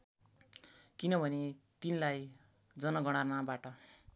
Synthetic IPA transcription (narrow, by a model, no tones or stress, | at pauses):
kinʌbʱʌnet̪inilaj | d͡zʌnʌɡʌɽ̃arnabaʈʌ